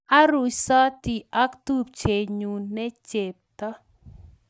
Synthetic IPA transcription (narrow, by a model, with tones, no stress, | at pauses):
a˦ɾu˨sa˦ti˨a˦ktu˦˨pt͡ʃe˨ɲu˨nɛ˦t͡ʃe˨p̚t̪a˦